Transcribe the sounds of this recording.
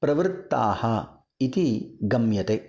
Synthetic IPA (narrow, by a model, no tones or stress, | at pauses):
pɾɐʋɾt̪ːa̰ːhɐ | it̪iɡɐmjɐt̪e